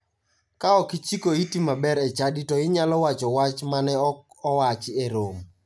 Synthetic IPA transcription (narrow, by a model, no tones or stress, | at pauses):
kaɔkɪt͡ʃikoitimabɛɾɛt͡ʃaditɔɪɲalɔwat͡ʃɔwat͡ʃmanɛɔk | ɔwat͡ʃɪeɾom